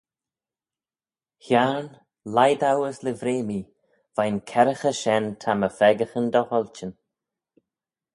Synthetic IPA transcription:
hjaɹn | lajd̪awəslɪvɾeːmi | v̥ajnkʰɛɾəxəʃɛnt̪ʰaməfɛɡəxənd̪ɔhɔlt͡ʃən

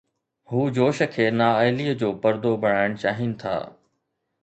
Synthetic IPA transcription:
ɦuːd͡ʑoːʃə̆kʰeːnaːaːɪliːəd͡ʑoːpɐɾd̪obʱɐɽ̤̃aːɪɽ̃t͡ɕaːɦɪnɪ̆t̪ʰa̰ː

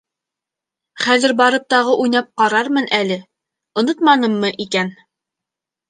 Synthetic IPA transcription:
χæðɘɾbɑɾɤp̚t̪ɑʁɤʔujnɑp̚qɑɾɑɾmɤnʔælɘ | ŏnɤt̪mɑnɤmːɤʔikæn

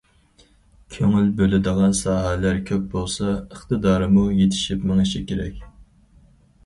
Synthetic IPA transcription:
kʲʰøŋylbølɪd̪əʁɑnsɑːɦælæɾkʲʰøp̚bolˠsɑəχt̪ɨd̪ɑːɾɨmujet̪ʰɪ̥ʃipmɪŋɪʃikʲʰeɾɛ̰kʲ

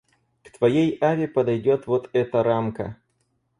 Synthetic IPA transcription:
kt̪vɐjejavʲɪpəd̪ɐjdʲo̞t̪vo̞t̪ɛt̪əɾamkə̰

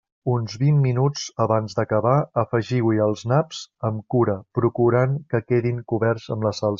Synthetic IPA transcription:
unzβimːinut͡səβanzd̪əkəβaəfəʒiwiəlˠznapz̥əmkuɾəpɾukuɾaŋkəkeðiŋkuβɛrzəmləsalˠ

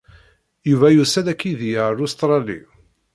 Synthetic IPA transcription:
juvæjusælækːiðijalust̪ɾˤɑlḭ

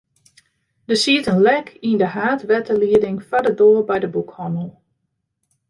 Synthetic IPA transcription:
d̥əsiətənlɛkʰindəɦaːtʋɛtʰəliədɪŋfadədoːəɹbɛjdəbukhɔnəlˠ

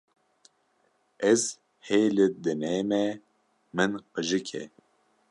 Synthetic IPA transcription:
ɛz | heːlɨd̪ɨneːmɛ | mɨnqɨʒɨkʰɛ̰

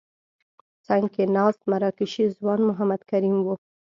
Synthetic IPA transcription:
t͡saŋɡkenɑst̪maɾɑkɪʃizwɑnmʊɦamad̪kaɾimwu

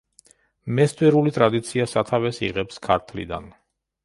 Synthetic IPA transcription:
mɛst̪ʼwɛɾulit̪ʼɾad̪it̪sʰiasat̪ʰavɛsḭʁɛpskʰaɾt̪ʰlḭd̪a̰n

